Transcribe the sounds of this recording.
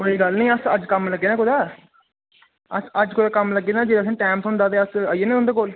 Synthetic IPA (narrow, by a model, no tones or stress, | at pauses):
məiːɡəlnĩːəsəd͡ʒkəmləɡːeːnãːkʊd̪aː | əsəd͡ʒkʊd̪aːkəmləɡːeːnãːd͡ʒeːɾaːs̬ĩːʈaːmt̪õɦʊ̃nd̪aːt̪eːəsəieːnẽʊnd̪eːkoːl